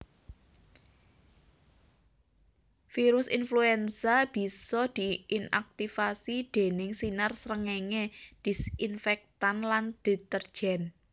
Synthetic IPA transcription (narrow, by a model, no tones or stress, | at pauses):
fiɾʊsinfluɛnsab̥i̤sɔd̪̥i̤ina̰k̚t̪ifasid̪̥e̤nɪŋsinarsɾəŋeŋed̪̥i̤sinfɛk̚t̪anland̪̥i̤t̪ərd̥ʒ̥ɛn